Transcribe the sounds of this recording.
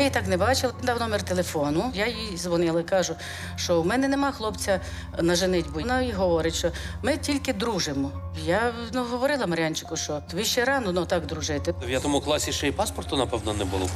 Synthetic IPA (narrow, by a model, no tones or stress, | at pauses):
jit̪ɑknɛbɑt͡ʃɪlˠɪnd̪ɑwnɔmɛrt̪elˠefɔnʊjajizʋɔnɪlˠɐikɑʒʊ | ʃt͡ʃɔwmɛnɛnemɑxlˠɔpt͡sʲɐ | nɐʒɪnɪtʲbʊnɑiɦɔʋɔɾɪtʲʃt͡ʃɔmɪtʲilʲkɪd̪ɾuʒɪmɔjanuɦɔʋɔɾɪlˠɐmɐɾʲɑnʲt͡ʃɪkʊʃt͡ʃɔʋʲiʃt͡ʃɛɾɑnɔnɔt̪ɑkd̪ɾʊʒɪt̪ɪjad̪umɐwklˠɑsʲiʃɛipɑspɔrt̪ʊnɐpɛwnɔnɛbʊlˠɔ